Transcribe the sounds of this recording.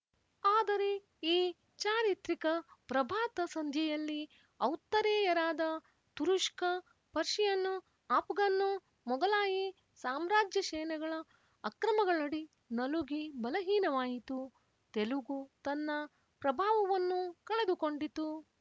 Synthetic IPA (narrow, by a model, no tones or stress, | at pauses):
aːd̪ɐɾe̞ | iː | t͡ʃaːɾit̪ɾikɐpɾɐbʱaːt̪ɐsɐnd̪ʱjɛjɐlːi | ɐwt̪ːɐɾɛːjɐɾaːd̪ɐ | t̪uɾuʂkɐ | pɐɾʃijɐnːu | aːpɡɐnːu | mɔɡɐlaːji | saːmɾaːd͡ʒjɐʃɛːnɛɡɐɭɐː | kɾɐmɐɡɐɭɐɽi | nɐluɡibɐlɐɦiːnɐʋaːjit̪u | t̪eluɡut̪ɐnːɐ | pɾɐbʱaːʋɐʋɐnːukɐɭed̪uko̞ɳɖit̪u